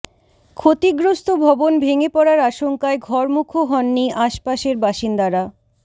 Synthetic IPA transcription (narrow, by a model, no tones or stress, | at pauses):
kʰot̪iɡɾost̪obʱɔbonbʱeŋepɔɽaɾaʃoŋkaeɡʱɔɾmukʰoɦɔnːiʔaʃpaʃeɾbaʃind̪aɾa